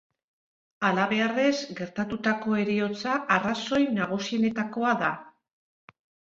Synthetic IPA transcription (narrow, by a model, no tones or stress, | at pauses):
alaβe̞are̞zɡe̞ɾt̪at̪ut̪ako̞e̞ɾio̞t͡saʔːraso̞jnaɣ̞usie̞ne̞t̪ako̞aða